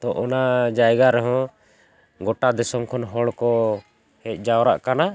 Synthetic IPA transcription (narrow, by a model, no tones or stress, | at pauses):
t̪ɔʔɔnad͡ʒajɡaɾɛɦɔ̃ | ɡɔʈad̪ɛsɔmkʰɔnɦɔɽkɔ | hɛc̪̚ˀd͡ʒawɾa̰ʔkana